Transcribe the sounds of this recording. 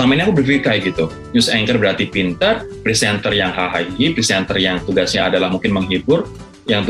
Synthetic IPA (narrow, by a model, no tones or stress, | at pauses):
sampainakubərfikajɡit̪u | ɲʊsɛŋkərbəɾart̪ipint̪ərpɾisɛnt̪ərjaŋɦaɦaipɾisɛnt̪ərjaŋt̪uɡasɲaːdalahmuŋkɪnməŋɦibʊr | jaŋt̪u